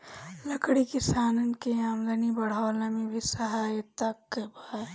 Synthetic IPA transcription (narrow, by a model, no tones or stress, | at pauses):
lɐkɽikɪsaːnənkeamd̪ɐnibɐɽ̤aːlɐmibʱisɐɦaːjt̪ɐkːeba